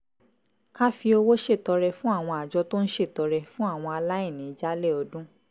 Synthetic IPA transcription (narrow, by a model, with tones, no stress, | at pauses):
ka˦fi˧o˧wo˦ʃe˦˨tɔ˧ɾɛ˧fũ˦a˦˨w̃ɔ̃˧a˨d͡ʒɔ˧to˦n̩˦ʃe˦˨tɔ˧ɾɛ˧fũ˦a˦˨w̃ɔ̃˧a˧la˦i˦˨nĩ˨˦d͡ʒa˦lɛ˦˨ɔ˨˧dũ˦